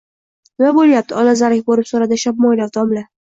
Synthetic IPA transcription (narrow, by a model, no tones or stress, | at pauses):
nɪmabolˠjap̚t̪ʰɪɒlazaɾɪkʲbolɪpsoɾad̪ɪʃap̚mɒjlaɾt̪ʰɒmlɪ